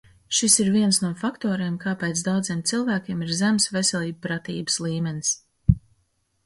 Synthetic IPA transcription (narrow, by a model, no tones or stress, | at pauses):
ʃisiɾviɛnsnuɔfakt̪ɔːɾieːmkaːpɛt̪sd̪awd̪ziɛmt̪silˠvæːkʲeɛmiɾzæmsvesʲɛlʲˠiːb̚pɾat̪ḭːbɨ̥slˠiːmʲɛnis